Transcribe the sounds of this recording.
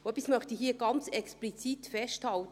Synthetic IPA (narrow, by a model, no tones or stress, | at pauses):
oɛpːismœχtihiːəɡ̥ɑnt͡sɛksplit͡sit̪fɛʃthɑlt̪